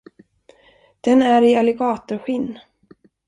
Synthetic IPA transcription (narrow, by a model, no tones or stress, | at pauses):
d̪̥ɛnæɾɪalɛɡɑːt̪ʊɾɧɪnː